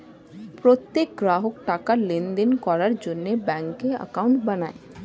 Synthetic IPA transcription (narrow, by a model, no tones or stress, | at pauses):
pɾot̪ːek̚ɡɾaɦokʈakalend̪enkɔɾaɾd͡ʑonːebɛŋkːeə̰kauɳʈbanae